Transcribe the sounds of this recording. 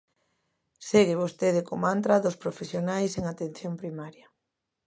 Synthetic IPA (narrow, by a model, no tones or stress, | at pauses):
seɣeβost̪eðekomant̪ɾaðospɾofesjonajseŋat̪en̟θjompɾimaɾja